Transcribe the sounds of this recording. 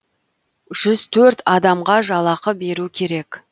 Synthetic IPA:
ʒ̥ʏzt̪ʰɵɾt̪ɑd̪ɑmʁɑʒɑlˠɑqəbe̞ɾukʲʰe̞ɾe̞k

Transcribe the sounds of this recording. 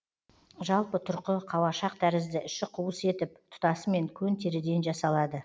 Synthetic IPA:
ʒɑlˠpət̪ʰʊɾqəqʰɑwɑʃɑq̚t̪ʰæɾɪzd̪ɪʔʏʃɪqʰuwəse̞t̪ɪp̚t̪ʰʊ̥t̪ɑsəme̞ŋkʲʰɵnt̪ʰeɾɪd̪e̞nʒɑsɑlˠɑd̪ə

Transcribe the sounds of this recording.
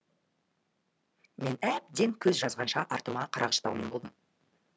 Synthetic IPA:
me̞næb̚d̪e̞ŋkʲʰɵzʒɑzʁɑnʃɑʔɑɾt̪əmɑqʰɑɾʔɑ̰ʁʃɑ̥t̪ɑ̰wmenbo̞ld̪əm

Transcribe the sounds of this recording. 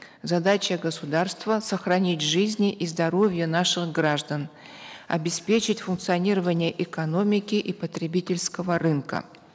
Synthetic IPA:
zɐd̪at͡ɕəɡəsʊd̪arst̪vəsəxɾɐnʲitʲʐɨzʲnʲɪʔizd̪ɐɾo̞vʲɪjənaʂɨɣɡɾaʐd̪ən | ɐ̰bʲɪspʲet͡ɕɪtʲfʊnk̚t̪sɨɐnʲiɾəvənʲɪjəʔɪkɐno̞mʲɪkʲɪʔipət̪ɾʲɪbʲitʲɪlʲskəvərɨnkə̰

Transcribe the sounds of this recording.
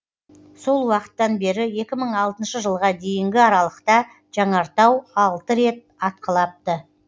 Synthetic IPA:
so̞lˠwɑqə̥t̪ːɑnbe̞ɾɪje̞kʲɪməɴɑlˠt̪ənʃəʒəlˠʁɑd̪e̞jɪŋɡʲɪɑɾɑlˠəqt̪ɑ | ʒ̥ɑɴɑɾt̪ɑwɑlˠt̪əɾe̞t̪̚ɑt̪̚qəlˠɑp̚t̪ə

